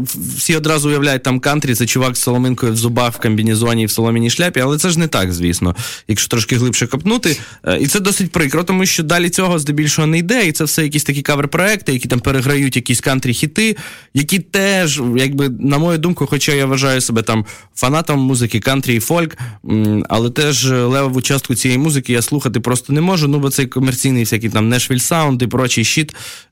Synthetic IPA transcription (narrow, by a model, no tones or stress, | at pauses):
wsʲiɔd̪ɾɑzʊʊjɐʋlʲæjʊt̚ʲt̪amkɑnt̪ɾʲit̪ɛt͡ʃʊʋɑksɐlˠɔmɪnkɔjʊwzʊbɑxwkɐmʲbʲinʲizʊɔnʲiːwsɐlˠɔmʲinʲiʃlʲapʲiɐlˠɛt̪sɛʒnɛt̪ɑ̰kzʲʋʲḭsnɔ̰jɐkʃɔ̥t̪ɾɔʃkɪɦlˠɪpʃɛkɐpnut̪ɪ | it̪sɛd̪ɔsɪtʲpɾɪkɾɔt̪ɔmuʃʲt͡ʃɔd̪ɑlʲit͡sʲɔɦɔzd̪ɔbʲilʲʃɔɦɔnɛjd̪ɛit̪sɛwsɛjɐkʲisʲt̪ɐkʲikaʋerpɾɔɛk̚t̪ɪjɐkʲit̪ampeɾeɦɾɐjutʲjɐkʲisʲkɑnt̪ɾʲixʲit̪ɪ | jɐkʲit̪ɛʒjɐɡ̚bɪnɐmɔjʊd̪umkʊxɔt͡ʃajaʋɐʒɑjʊsebɛt̪ɑm | fɐnɑt̪ɐmːuzɪkɪkant̪ɾʲiːfɔlʲk | ɐ̰lˠɛt̪ɛʒlˠɛʋɐʋʊt͡ʃast̪̚kʊt͡sʲijɛjimuzɪkʲɪjaslˠuxɐt̪ɪpɾɔst̪ɔnɛmɔʒʊnubɔt̪sɛjkɔmert͡sʲijnɪjfsʲakɪjt̪ɑmnɛʃʋʲilʲsɑʊnd̪ipɾɔt͡ʃijʃit̪